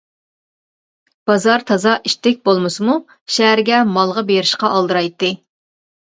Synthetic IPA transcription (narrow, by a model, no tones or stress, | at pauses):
b̥ɑzɑɾt̪ʰɑzɑʔiʃt̪ɛk̚ʲbolˠmɨsɨmu | ʃæɦæɾɡʲɛmɑlˠʁɑbeɾɪʃqɑʔɑlˠd̪ɨɾɑjt̪ːɨ